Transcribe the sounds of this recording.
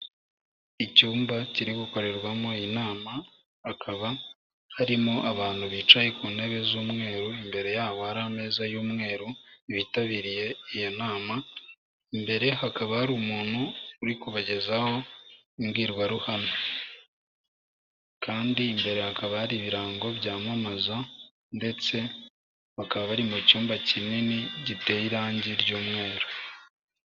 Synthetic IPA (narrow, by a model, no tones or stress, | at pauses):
icuːmbaciɾiɡuko̞ɾe̞ɾwamoinaːma | hakʰaβa | haɾimoʔaβaːn̤̥huβiːt͡ʃajekuːne̞βe̞zuːmŋe̞ːɾuimbe̞ɾe̞jaːβohaɾaːme̞ːzajuːmŋe̞ːɾuiβitaβiːɾije̞ijonaːma | imbe̞ɾe̞hakaβahaɾuːmuːn̥huːɾikuβaɟe̞zaho̞ | imɡiːɾɡwaɾuhana | kaːndiːmbe̞ɾe̞hakaβahaɾiβiɾaːŋɡo̞βjaːmamaza | nde̞t͡se̞ | βakaβaβaɾimucuːmbacininiɟite̞iɾaːɲɟiɾɟuːmŋe̞ːɾo